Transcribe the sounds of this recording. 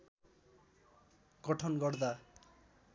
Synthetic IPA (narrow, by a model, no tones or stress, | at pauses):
ɡ̥ʌʈʰʌnɡʌrd̪a